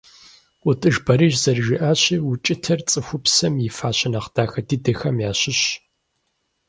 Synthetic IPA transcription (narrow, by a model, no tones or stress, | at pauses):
ʊtʼɨʒbɐɾiʒzɐrʒɪʔaːɕiwʊt͡ʃʼɪtʰɐrt͡sʼɨxʷʊpsɐmjɪfaːɕɪnɐχd̥aːxɐdidɐxɐmjaːɕɪɕ